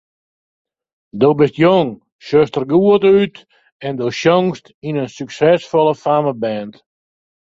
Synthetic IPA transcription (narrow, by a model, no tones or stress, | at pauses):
doːbɪstjoŋ | ʃøstərɡuətyt | ɛndoʃjɔŋstinənsyksɛsfɔlˠəfaməbɛnt